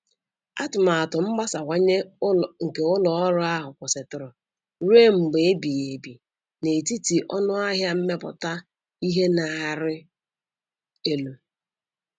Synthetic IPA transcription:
a˦tʊ˨ma˨a˨tʊ˨m̩˦ɡ͡ba˦sa˨kʷa˦ɲe˦ŋ̩˨ke˨ʊ˦lɔ˨ɔ˦ɾʊ˦a˦ɦʊ˨kʷʊ˨sɪ˨tʊ˨ɾʊ˨ | ɾe˦m̩˨ɡ͡be˨e˦bi˨e˨bi˨ | ne˨ti˦ti˨ʔɔ̰˦nʊ˦a˦ɦja˦m̩˦me˦pʊ̰˨ta˦ | i˦ɦe˦na˨ɦa˨ɾɪ˦ | e˦lu˨

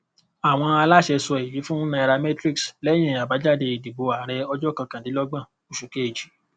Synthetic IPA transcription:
a˨w̃ɔ̃˧a˧la˦˨ʃɛ˧sɔ˧e˨ji˨˦fũ˦nã˧ɛ˧ɾa˧mɛ˦tɾi˦kslɛ˦j̃ɛ̃˨a˨ba˨˦d͡ʒa˦˨de˧i˨di˨bo˧a˨ɾɛ˧ɔ˧d͡ʒɔ˦kã˧kã˨di˨˦lɔ˦ɡ͡bã˦˨ | o˨ʃu˨ke˦e˦˨d͡ʒi˨˦

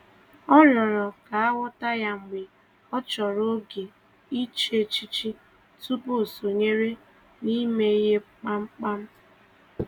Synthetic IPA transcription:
ɔ˦ɾɔ˨ɾɔ˨ka˨a˦wʊ˦ta˦ja˦ŋ͡m̩˨ɡ͡be˨ | ɔ˦t͡ʃɔ˨ɾo˦ɡe˨ | i˦t͡ʃe˦˨t͡ʃi˦t͡ʃi˦ | tu˦bo˦˨so˨ɲe˦ɾe˦ | ni˦me˦i˦ɦe˦k͡pa˦ŋ͡m̩˦k͡pa˦m̩˦

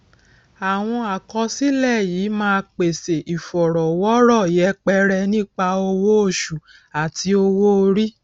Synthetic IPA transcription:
a˨w̃ɔ̃˧a˨kɔ˧si˦lɛ˦˨jiː˨˦mãː˦˧k͡pe˨se˨ʔi˨fɔ˨ɾɔ˨wɔ˦ɾɔ˦˨jɛ˨˦k͡pɛ˦ɾɛ˧nĩ˦k͡pa˧o˧wo˦o˦˨ʃu˨ | a˨ti˧o˧wo˦o˧ɾi˦

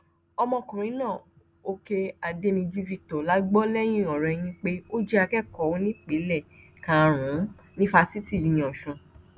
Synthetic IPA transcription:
ɔ˧mɔ̃˧kũ˨ɾ̃ĩ˨˦nãː˦˨ | o˧ke˧a˧de˦nĩ˧d͡ʒu˦vi˦˧k̚tɔ˨la˨˦ɡ͡bɔ˦lɛ˦j̃ĩ˦˨ɔ˨ɾɛ˧j̃ĩ˧˦k͡pe˦o˦d͡ʒɛ˦a˧kɛ˦˨kɔ˨wo˧˦nĩ˦k͡pi˨˦lɛ˦˨ | kã˨˦˨ɾ̃ũ˨˦ | nĩ˦fa˧si˦ti˦˨i˨nĩ˧˨ɔ˨ʃũ˨˧˨

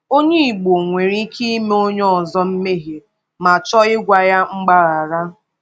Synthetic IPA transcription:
o˦ɲe˦i˨ɡ͡bo˨ŋʷe˨ɾi˦ki˦me˦o˦ɲɔ˦ɔ˨zɔ˦m̩˦me˦ɦe˨ | ma˨t͡ʃɔ˦ɪ˦ɡʷa˦ja˦ŋ͡m̩˦ɡ͡ba˦ɾa˨ɾa˦

